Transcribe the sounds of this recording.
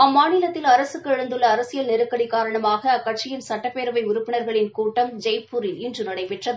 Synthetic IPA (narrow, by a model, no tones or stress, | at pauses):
ɐmːaːnɪlɐt̪ːɪlɐɾɐsɯkːɯɛɻɐnd̪ɯɭːɐːɾɐsɪjɐlnɛɾɯkːɐɽikːaːɾɐɳɐmaːɣɐkːɐʈ̚t͡ʃɪjɪnsɐʈːɐpːeːɾɯʋɐɪʊɾʊpːɪɳɐɾɣɐɭɪnkuːʈːɐmd͡ʒɐɪpːuɾɪlɪndrɯnɐɽɐɪpɛʈrɐðɯ